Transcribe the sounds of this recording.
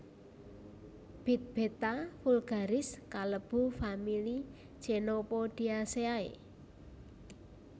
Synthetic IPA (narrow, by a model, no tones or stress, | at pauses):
b̥i̤t̪̚b̥e̤t̪afulɡ̥a̤ɾɪskaləb̥ṳfamili̥ | d͡ʒ̥enopɔd̪̥i̤aseaḛ